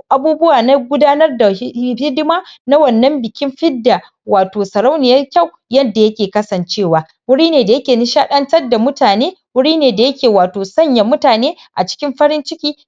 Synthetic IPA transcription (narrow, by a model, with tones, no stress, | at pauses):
ʔa˨buː˦bʊ˦waː˨na˦ɡʷʊ˦daː˦nɐ˦rda˨˦hɪ˦dɪ˦maː˦na˦wɐ˨nːɐ˦mbɪ˨kʲɪ˦mɸɪ˦dːa˨ | waː˨toː˨sɐ˨ɾa˦wnɪ˨jɐ˦rkʲa˦˨w | jɐ˦dːa˨jɐ˦kʲeː˨kɐ˦sɐ˨nt͡ʃeː˦˨waː˨ | wʊ˦ɽiː˦neː˨da˨jɐ˦kʲeː˨nɪ˦ʃaː˦ɗɐ˦ntɐ˦rda˨mʊ˦taː˨neː˦wʊ˦ɽiː˦neː˨da˨jɐ˦kʲeː˨waː˨toː˨sɐ˦˨ɲja˨mʊ˦taː˨neː˦ | ʔa˨t͡ʃɪ̥˦kʲɪ˦mɸɐ˦ɾɪ˦nt͡ʃɪ˦kʲiː˦